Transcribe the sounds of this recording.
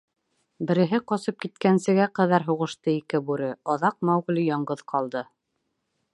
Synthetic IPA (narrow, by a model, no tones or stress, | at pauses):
bɘ̆ɾɘ̆ɦɘqɒsɤp̚kit̪kænsɘ̆ɡæqæðæɾɦuʁɤ̆ʃt̪ɤikɘbʉɾɘɑðɑq̚mæwʁ̆lijɑɴɢɤðqʰɑlˠd̪ɤ